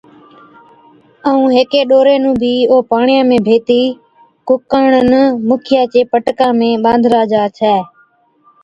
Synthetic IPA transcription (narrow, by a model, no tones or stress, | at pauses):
əũːɦeːkeːɗoːɾeːnũːbʱiːoːpaːɳɪjãːmẽːbʱeːt̪iː | kʊkəɳənmʊkʰɪjaːt͡ʃeːpəʈkãːmẽːɓãːnd̪ʱɾaːd͡ʒaːt͡ʃʰɛː